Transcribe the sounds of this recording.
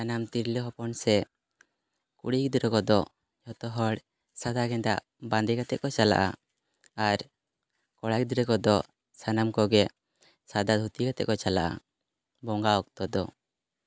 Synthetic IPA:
anamt̪iɾlɛɦɔpɔnsɛ | kṵɽikd̪uɾɛkɔd̪ɔ | jɔt̪ɔɦɔɽ | sad̪aɡɛnd̪a̰ʔ | band̪ɛkat̪ɛ̰ʔkɔt͡ʃala̰ʔa̰ | aɾ | kɔɽak̚d̪iɾɛkɔd̪ɔ | sanamkɔɡɛ | sad̪ad̪ʱut̪ikat̪ɛ̰ʔkɔt͡ʃala̰ʔa̰ | bɔŋɡaɔk̚t̪ɔd̪ɔ

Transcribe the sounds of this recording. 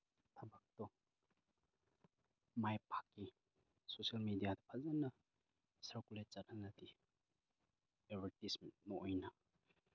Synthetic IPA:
tʰabak̚tɔ | majpʰḁkːi | sosialmedijadɐpʰazanɐ | sɐɾkulet̚t͡ʃatnanati | ebʱeɾtisment̚mɔʔojna

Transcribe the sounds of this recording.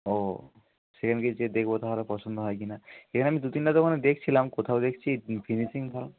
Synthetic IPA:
o | sekʰanked͡ʑed̪ekʰbot̪ʰaɦolepɔsond̪oɦɔjk̬inaekʰaneamid̪ut̪inʈat̪ɔkʰaned̪ekʰt͡ɕʰilamkot̪ʰaod̪ekʰt͡ɕʰifʰinisiŋbʱal

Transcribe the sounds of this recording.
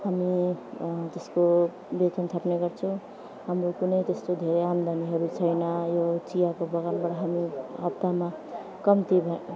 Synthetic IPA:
hami | t̪esko | bet̪ʰʌnt̪ʰʌpneɡʌrt͡sʰʌw̃ | hamɾokunʌjt̪est̪od̪ʱeɾeamd̪ʱaniɦʌɾut͡sʰʌjnʌjot͡sijakobʌɣanbaʈʌɦamiɦʌpt̪ama | kʌmt̪ibʱʌ

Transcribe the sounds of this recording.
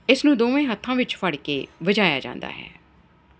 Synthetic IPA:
ɪsnũːd̪oːʋẽːɦət̪ʰːãːʋɪt͡ʃfəɽkeːʋəd͡ʒaːja̰ːd͡ʒã̰ːnd̪a̰ːɦɛ̰ː

